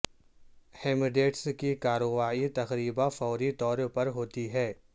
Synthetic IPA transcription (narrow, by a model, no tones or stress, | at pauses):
heːmɪɖeːʈskikaːɾoːʋaːit̪ɐxɾiːbafɔːɾit̪ɔːɾpɐɾɦoːt̪iɦɛː